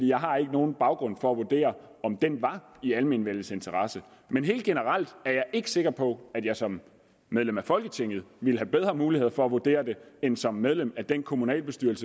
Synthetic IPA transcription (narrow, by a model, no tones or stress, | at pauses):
d̥ḭːjɑ̈ɪɦɑ̈e̝ɡ̥əno̝ːn̩b̥ɑ̈ʊɡ̥ʁɔ̽n̰fɒ̽æʋuɐd̥e̝̰ːɐ | ɒ̽md̥enʋɑ̈ | iæləminʋel̰̩se̝nt͡sʰɐʁɑ̈sə | menɦe̝̰ːld̥̚ɡ̥enəʁɑl̰d̥æɐjɑ̈ɪʔe̝ɡ̥ə̥se̝ɡ̥ɐpʰɒ̽æd̥jɑ̈ɪsɒ̽mː | eðˠlemæfɒ̽lɡ̥ət͡sʰeŋ̰ð̞̩ˠʋiləɦæb̥eð̞ˠʁɐmuːlihe̝ð̰ˠɐfɒ̽æʋud̥e̝̰ːɐd̥e̝ensɒ̽mːeð̞ˠlemæd̥enkʰo̝munɛ̰ːlb̥e̝sd̥yɐl̩sə